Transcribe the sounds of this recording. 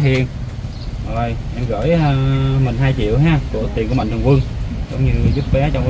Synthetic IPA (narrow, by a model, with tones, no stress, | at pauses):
i˧˩ən | ʔə˨˩jʔɛ˧mɣə̰ː˧˨jaː˨˧mï˨˩ŋ̟ɦaː˧jt͡ɕḭ˧˨əwɦaː˧˩ku˧˩ət̪i˨˩nku˧˩əma̰̟˧˨˩kwɨ˧ŋzə̰˧˦wŋ͡mɲɨ˧zu˦˥p̚ɓɛ˨˦t͡ɕɔ˧wŋ͡m